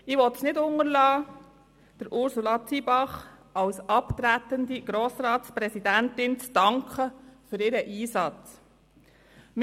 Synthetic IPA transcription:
ɪʋɔt̪snɪdʊŋəɾlɑː | d̥əɾʔʊɾsulɑt͡sʰibɑχ | ɑwsɑpt̪ɾæt̪əndiɡ̥ɾoːsɾɑːtspɾɛsidænt̪ɪnt͡sd̥ɑŋkʰχəfʏɾɪɾəʔiːsɑt͡s | m

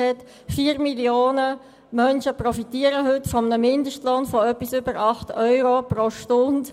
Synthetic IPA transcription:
ɛt | fiːəɾmiljoːnə | mœnʃəprɔfitiːəɾəɦʏtːfɔmənəmɪndəʃtlɔnfɔœpːisʏbəɾɑχtœʏɾopɾoʃtʊnd

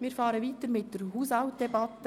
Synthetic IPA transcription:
mɪːɾfɑːɾəʋiːt̪əɾmɪtd̥əɾɦuːsawtd̥ɛbɑtːə

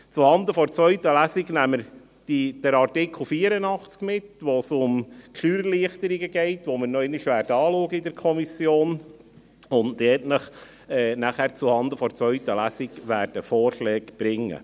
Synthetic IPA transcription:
t͡suhɑnd̪əfɔɾt͡sʋœɥt̪əlæsiɡnæmːəɾ | d̥id̥əɾɑrtɪkʰl̩ˠfiːəɾənɑχt͡skmɪtʋosʊmkʰχyːɾliəχt̪əɾiɡəɡɛɪt̪ʋoməɾnɔɪniʃʋæːrdɑːluəɡəidɛɾkʰɔmisjoːn | ʊndɛtnəχ | ɛːnæχæːɾt͡suhɑnd̪əfɔɾt͡sʋœɥt̪əlæsiɡʋæːɾd̥əfoːɾʃlɛːɡb̥ɾɪŋːə̰

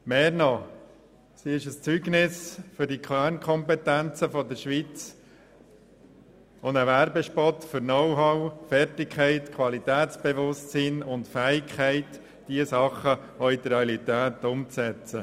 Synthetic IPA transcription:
meːɾnɔ | siɪʃəst͡syɡnɪsfʏɾdikʰlæːɾnkʰɔmpɛt̪ænt͡səfɔd̪əɾʃʋit͡s | ʊndəʋæɾbɛʃpɔtfʏɾnɔwɦɑwfɛɾtɪkʰɛɪtkʰʋɑlit̪æːtt͡sb̥eʋʊstsinʊntfæːɪkχæɪt | d̥iəsɑχə | ɔid̪əɾeɑlit̪æːt̪ʊmt͡sɛt͡sə

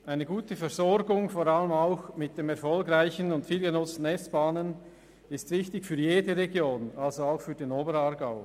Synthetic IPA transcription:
ʔaɪnəɡuːtəfɛɾzɔɾɡʊŋfoɾaləmaʊxmɪt̚d̥eːmɛɾfɔlkraɪçənʊntfiːlɡənʊt͡stn̩ɛsb̥aːnən | ɪstvɪçtɪçfyːjeːdəʁeɡjoːnalzoaʊxfyːdenoːbəɾaːɾɡaʊ

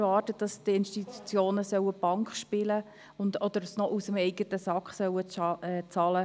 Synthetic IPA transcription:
vɑːrtətd̥ɑstɪnʃtit̪ʰut͡sjoːnəsœwəb̥ɑŋkχʃpɪlə | ʊndɔd̪əɾsnɔʔusəmɛɪɡətəsɑkχsœwəɛt͡sɑlə

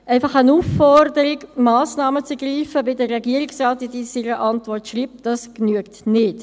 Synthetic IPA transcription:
ɛɪfɑχənufːɔɾdəɾɪkmaːsnɑːmət͡sɡriːfəbɪdərɛɡiəɾɪksʁɑːtːidiːsiɾəʔɑntvɔrtʃriːp̚d̥ɑsknyəktnɪt

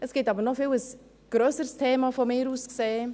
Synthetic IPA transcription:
ʔɛsɡ̥ɪtɑːbəɾnɔfɪləs | ɡ̥ɾœːsəɾstʰeːmafomɪːɾuːskseː

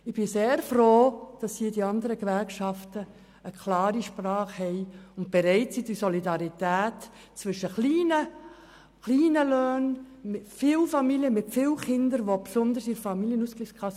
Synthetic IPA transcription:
ɪb̥ɪseːɾfroːd̥ɑshiədiɑnd̪əɾəkʋæɾkʃɑftə | əkʰlɑːɾiʃprɑːχhɛɪʊnt̚b̥ɛɾɛɪtsid̥isɔlidɑɾitæːt | t͡svʋʏʃəχliːnə | χliːnəløːn | mɪtfɪlfɑmiljəmɪtfɪlχɪndəɾʋopsʊnd̪əɾsɪɾfɑmiljənuːskliskʰʁɑs

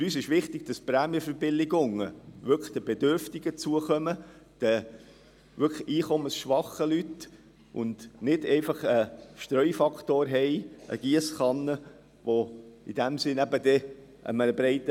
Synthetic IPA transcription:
fʏɾyːsɪʃʋɪχt̪ɪɡ̥̚d̥ɑspɾæːmjəfəɾbɪlɪɡʊŋəʋʏɾkχd̥əbɛdøɾftɪɡ̥ət͡suəχœmə | d̥ə | ʋʏkiːχɔməsʃʋɑχəlyt | ʔʊndnɪdɛɪfɑχəʃt̪ɾœʏfɑkʰtoːɾɦɛɪʔə̰ɡ̥iəsχɑnːə | ʋoid̥æmsɪnæbəd̥̪ɛ | ʔə̰mənəbɾɛɪt̪ə

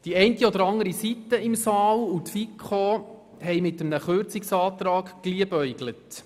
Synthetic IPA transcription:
d̥iɛɪntiɔdəɾɑŋəɾisitːəɪmsɑːlutfikχo | hɛjmɪtəmnəχørt͡sɪksɑːt̪ɾɑːɡkliəbœʏɡlət

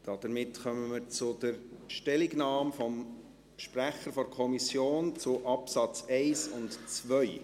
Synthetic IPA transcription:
d̥ɑd̥̪əɾmɪtχœməməɾt͡sʊd̥əɾʃtɛliɡnɑːmfɔm | ʃpræχəɾfɔɾkʰɔmisjoːnt͡sʊʔɑpsɑt͡sɛɪsʊntt͡sʋœʏ

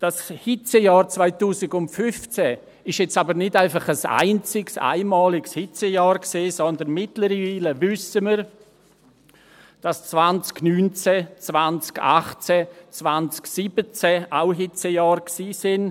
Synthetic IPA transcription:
d̥ashɪt͡sɛjɑːɾt͡svaɪtuːsɪɡʊntfʏft͡sɛ | ɪʃjɛt͡sabəɾnɪdaɪfɑχəsa̰ɪnt͡sɪksa̰ɪmaːlɪkshɪt͡sɛjɑːɾkseːsɔndənmɪtləɾviːləvʏsəməɾ | d̥ast͡svant͡sknyːnt͡sɛt͡svant͡ska̰χt͡sɛt͡svant͡sksibət͡sɛaʊɦɪt͡sɛjɑːɾksiːsɪn

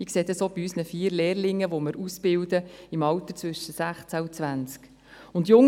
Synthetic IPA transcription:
ikseːd̪əsob̥iysnəfiːəɾleːrlɪŋːəʋomɪɾusb̥ɪwd̪əimɑwt̪ət͡sʋʏʃəsæχt͡sæut͡sʋænt͡sk | ʊnd̪jʊŋ

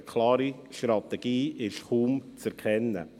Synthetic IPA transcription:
kʰlɑːɾi | ʃtɾɑt̪ɛɡ̥iːɪʃχuːmt͡sɛɾkʰɛnːə̰

